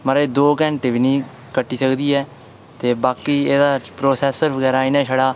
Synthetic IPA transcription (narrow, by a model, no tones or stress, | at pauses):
məɾeːd̪oːkɛ̃ːɳʈebiːnĩː | kəʈːiːsəkd̪iːɛː | t̪eːbaːkiːeːd̪aːpɾoːsɛːsəɾbəɡɛːɾaːinɛːʃəɽaː